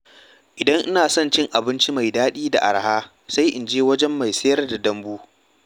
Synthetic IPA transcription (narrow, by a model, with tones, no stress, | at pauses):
ʔɪ˨dɐ˦ŋʔɪ˦naː˨sɔ˦nt͡ʃɪ˦ŋʔa˨bɪ˦nt͡ʃi˦ma˨jdaː˦ɗiː˦da̰˨ʔa̰˨ɾhaː˦ | sa˦jʔɪ˨nd͡ʒeː˦wɐ˦d͡ʒɛ˦mːa˨jsɐ˦jɐ˦rda˨dɐ˦mbuː˦